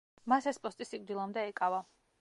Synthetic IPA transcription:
masɛspʼɔst̪ʼisik̚ʼd̪ilˠamd̪ɛɛkʼava

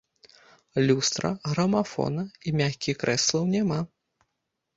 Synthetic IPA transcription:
lʲust̪ɾɐ̰ɣɾɐmafɔ̰nɐimʲaxʲkʲixkɾɛslˠɐwnʲɛma

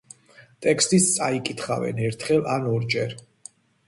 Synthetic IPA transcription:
t̪ʼɛkʰst̪ʼist̪sʼaikʼit̪ʰχavɛ̰nɛɾt̪ʰχɛlˠanɔɾd͡ʒɛɾ

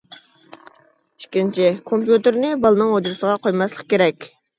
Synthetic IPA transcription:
i̥ʃkʲint͡ʃʰɪkʰompjut̪eɾnɪbɑlˠɨnɨŋod͡ʒɾusəʁɑqʰojmɑslˠəq̚kʲeɾɛkʲ

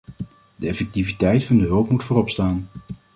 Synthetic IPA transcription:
d̥əɛfɛk̚tivitɛjtfɑndəɦɵlˠpmutfʊːrɔpstaːn

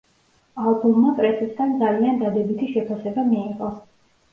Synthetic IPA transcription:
alˠbumːapʼɾɛsɛsd̪ʰand̪zaliand̪ad̪ɛbit̪ʰiʃɛpʰasɛbamiːqʼɔ

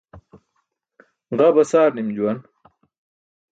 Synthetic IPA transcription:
ʁɐbɐsaːɾnimd͡ʑuwɐn

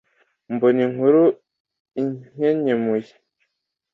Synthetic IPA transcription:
mboniŋuɾu | iɲeɲemuji

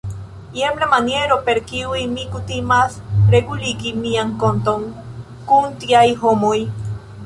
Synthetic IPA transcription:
jemblemanjeɾopeɾkiwimikut̪imasɾekulikimiaŋkont̪oŋ | kunt̪iaiɦomoj

